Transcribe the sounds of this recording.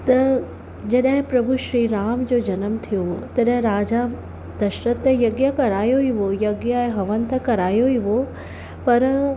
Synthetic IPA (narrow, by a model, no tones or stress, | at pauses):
t̪ɐ | d͡ʑɐɗɦɪ̃pɾɐbʱuʃɾiːɾaːmd͡ʑoːd͡ʑɐnəmt̪ʰijot̪ɐɗɦɪ̃ɾaːd͡ʑa | d̪ɐʃɾət̪əjɐɡjəkɐɾaːjoɦiʋojɐɡjaeɦɐʋənt̪ɐkɐɾaːjoiʋo | pɐɾ